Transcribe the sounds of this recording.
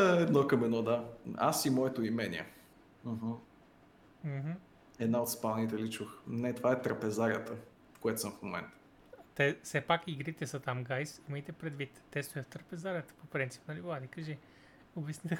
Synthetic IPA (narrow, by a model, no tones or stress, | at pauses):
ɛd̪nokəmɛnɔd̪aa̰simɔɛt̪oimɛnʲḭɛ̰ | m̩ɦ̩ | m̩ɦm̩ | ɛd̪naot̪spalˠnit̪ɛlit͡ʃuxnɛt̪ovaɛt̪ɾəpɛzaɾʲiət̪ə | koɛt̪osəmfmomɛ̰nt̪ə̥ | t̪ɛfsɛpakiɡɾit̪ɛsət̪amɡajsiməjt̪ɛpɾɛd̪vit̪ːɛst̪ojəft̪ɾəpɛzaɾjət̪ə̥popɾint̪si̥pnɐliblˠad̪ikɐʒi | obɛsnit̪